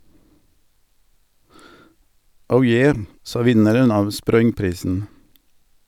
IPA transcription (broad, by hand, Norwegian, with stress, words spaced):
ˈəʊ ˈjeː ˈsɑː ˈʋɪnəɾən ˈɑːʋ ˈspɾɔʏŋˌpɾiːsn̩